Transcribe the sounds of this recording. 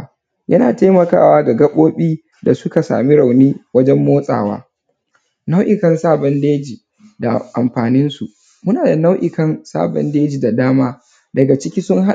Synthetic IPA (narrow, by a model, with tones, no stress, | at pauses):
jɐ˦naː˨ta˦jmɐ˨ka̰ː˦˨waː˦ɡa˨ɡɐ˦ɓoː˦ɓiː˦ | da˨sʊ˦ka˨sa̰ː˨mi˦ɽa˨wniː˦wɐ˦d͡ʒɛ˦mːoː˦sʼa̰ː˨wa̰ː˦ | na˦wʔɪ˨kɐ˦nsaː˦bɐ˦ndeː˦d͡ʒi˨ | da˨ʔa˨mɸaː˨nɪ˦nsu˨ | mʊ˦naː˨da˨na˦wʔɪ˨kɐ˦nsa̰ː˦bɐ̰˦ndeː˦d͡ʒiː˨da˨daː˦maː˦ | dɐ˨ɡa˨t͡ʃɪ˦kʲiː˦sʊ˦ŋɦa˦